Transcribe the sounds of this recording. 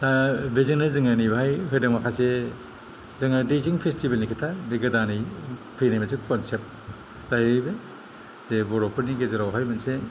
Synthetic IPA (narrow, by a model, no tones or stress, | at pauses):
tabeziŋnɯzɯŋanibɦajɦɯdɯŋmakʰase | zɯŋadejziŋpʰestibelnikʰitʰabeɡɯdanij | pʰijnajmas̬ekʰɔnsep̚ | z̥ahijbe | z̥ebɔɾɔpʰɯɾniɡezaɾawɦajmɯnse